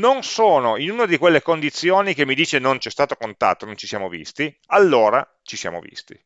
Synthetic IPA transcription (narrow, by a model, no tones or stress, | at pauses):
nonsoːnoinuːnad̪ikwelːekond̪it̪sːjoːnikemːid̪iːt͡ʃenont͡ʃɛst̪aːt̪okont̪a̰t̪ːonont͡ʃisja̰ːmovḭst̪i | alːoːɾa | t͡ʃisja̰ːmo̰vḭst̪ḭ